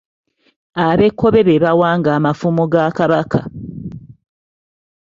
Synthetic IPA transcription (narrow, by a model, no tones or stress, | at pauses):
aβe̞kːo̞βe̞βeβawaːŋɡaːmafumoɡakaβakʰa